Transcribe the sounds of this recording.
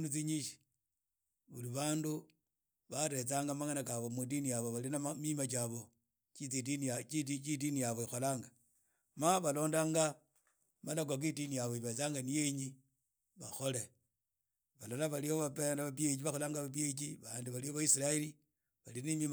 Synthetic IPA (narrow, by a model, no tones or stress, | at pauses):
nut͡siɲiʃi̥ | βuliβaːndu | βaɾe̞t͡saːŋɡamaŋanakaβo̞mudinijaβo̞βalinaamimat͡ʃaβo̞ | t͡ʃit͡sidint͡ʃiit͡ʃidinijaβoixo̞laːŋɡa | maβalo̞ːndaːŋɡa | malak̬wak̬idinijaβoiβe̞t͡saːŋɡanijeɲi | βaxo̞le | βalolaβalioβapeaβapjet͡ʃiβaxo̞laːŋɡaβap̬jet͡ʃiβandiβalioβaisilaeli | βalinimim